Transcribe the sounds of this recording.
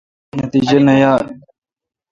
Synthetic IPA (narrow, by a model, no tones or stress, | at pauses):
nət̪iːd͡ʒənɐjaː